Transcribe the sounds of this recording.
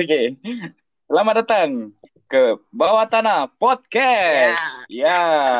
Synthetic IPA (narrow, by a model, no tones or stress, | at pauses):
ke | səlamadat̪aŋ | kəbawat̪anapɔt̪̚kɛsja